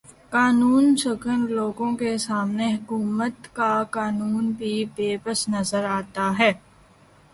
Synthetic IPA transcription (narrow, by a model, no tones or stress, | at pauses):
kaːnuːnsəkənloːɡõkesaːmneɦɐkuːmət̪kakaːnuːnbʱibeːpəsnɐzəɾaːt̪aɦɛː